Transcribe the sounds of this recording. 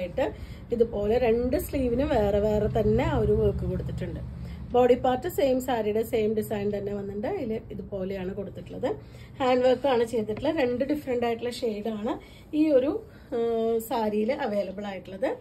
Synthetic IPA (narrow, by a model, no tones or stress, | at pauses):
jiʈːɨ | iðɨpo̞ːleɾe̞ɳɖɨsliːʋinɨʋe̞ːreʋe̞ːret̪ɐnːe̞oɾuʋoːkːɨko̞ɽut̪ːiʈːuɳɖɨboːɽipːaːrtːɨse̞ːmsaːɾijɽe̞seːmɖisɐjnt̪ɐnːe̞ʋɐnːɨɳɖɨiliðupo̞ːlejaːɳɨko̞ɽut̪ːiʈːuɭːɐðɨ | haːɳɖʋɐrkːaːɳɨt͡ɕe̞jt̪ːiʈːɨɭːɐɾe̞ɳɖɨɖifɐɾɐɳɖaːjiʈːuɭːlːɐʂe̞jɖaːɳɨ | iːo̞ɾu | saːɾijilʔɐʋe̞ːlɐbɐɭaːjiʈːuɭːɐðɨ